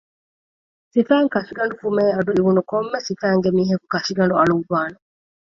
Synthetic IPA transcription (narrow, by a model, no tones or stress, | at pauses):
sifæːŋkɐʃiɡɐɳɖufumeːɐduiβunukomːesifæːŋɡemiːɦɐku̥kɐʃiɡɐɳɖuɐɭubaːnɐ